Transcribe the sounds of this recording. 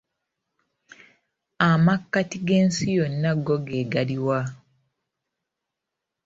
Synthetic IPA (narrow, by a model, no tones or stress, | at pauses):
amakːatiɡe̞ːnsijonːaɡoɡeːɡaliwa